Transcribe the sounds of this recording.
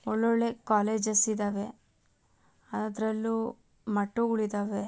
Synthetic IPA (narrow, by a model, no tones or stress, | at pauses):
ɔɭːoɭːekaːleːd͡ʒɐsid̪aːʋe̞ | ɐnad̪ɐɾɐlːu | mɐʈːuuɭid̪aːʋe